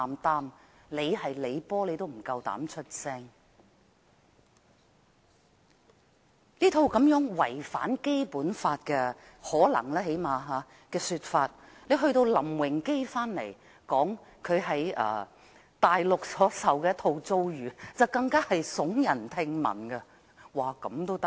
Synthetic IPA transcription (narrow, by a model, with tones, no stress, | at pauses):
a˨mt̪aː˥mle˨˧jhɐ˨jle˨˧jpɔː˥le˨˧jt̪o˥wm̩˨˩kɐ˧wt̪a̰ː˨˥mt͡ʃʰɵ˥t̚sɛː˥ŋ | niː˥t̪ʰo˧wkɐ˨˥mjœː˨˥ŋwɐ˨˩jfa̰ː˨˥nke˥jpuː˨˥nfaː˧t̚kɛː˧ | hɔː˨˥lɐ̰˨˩ŋlaː˥ɦe˨˥jmaː˨˧ɦaː˨˧˦ | kɛː˧syː˧t̚faː˧t̚ | le˨˧jɦɵ˧ɥt̪o˧wlɐ˨˩mwɪ˨˩ŋke˥jfaː˥nlḛ˨˩j | kɔː˨˥ŋkʰɵ˨˧ɥɦɐ˨˥jʔɐ̰ː˨˩ | t̪aː˨jlʊ˨k̚sɔː˨˥sɐ˨wkɛː˧˥t̪ʰo˧wt͡so˥wjyː˨˩t͡sɐ˨wkɐ˧ŋkaː˥hɐ˨jsʊ˨˥ŋjɐ˨˩nt̪ʰɪ˧ŋmɐ̰˨˩nɡɐ˧ | waː˨˩kɐ˨˥mt̪o˥wt̪ɐ˥